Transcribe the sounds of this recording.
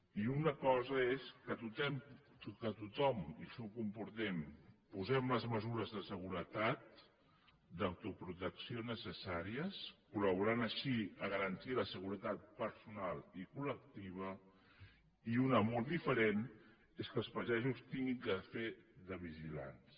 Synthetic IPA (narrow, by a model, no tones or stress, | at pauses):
iunəkɔzəeskət̪ut̪ɛm | ukət̪ut̪ɔmisukumpuɾt̪ɛmpuzɛmləzməzuɾəzðəsəɣ̞uɾət̪at̪̚ | d̪əwt̪upɾut̪əksionəsəsaɾiəskuləβ̞uɾanəʃiəɣəɾənt̪iləsəɣuɾət̪at̪̚pəɾsunalˠikulək̚t̪iβ̞ə | iunəmɔlˠd̪ifəɾen | eskəlˠspəʒɛʒust̪iŋɡiŋkəfeðəβ̞iʒila̰ns